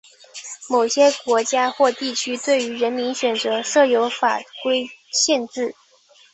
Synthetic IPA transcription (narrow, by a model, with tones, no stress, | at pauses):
mo˨˩ʊɕjɛ˥kwɔ˧˥t͡ɕja˥xwɔ˥˧t̪i˥˩t͡ɕʰy˥t̪we˥˩ɪy˧˥ɻə˧˥nmi˧˥nɕɥɛ˨˩nt͡sɤ˧˥ʂɤ˥˩jo˧˥ʊfa˨˩kwe˥ɪɕjɛ˥˧nʈ͡ʂɻ̩˥˩